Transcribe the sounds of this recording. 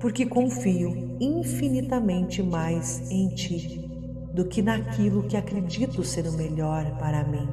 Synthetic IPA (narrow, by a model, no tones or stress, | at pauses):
pʊɾkɪkõfiʊ | ĩfinit̪ɐmẽnt͡ʃɪmajs | ẽj̃t͡ʃi | d̪ʊkɪnakʰilʊkɪakɾed͡ʒit̪ʊseɾʊmeʎɔɾpaɾɐmĩ